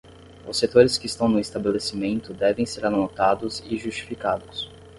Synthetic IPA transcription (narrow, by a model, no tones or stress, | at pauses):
ʊsːet̪oɾɪskɪːst̪ɐ̃w̃nʊist̪abelesimẽnt̪ʊd̪ɛvẽj̃seɾanot̪ad̪ʊzɪʒust͡ʃi̥fikad̪ʊs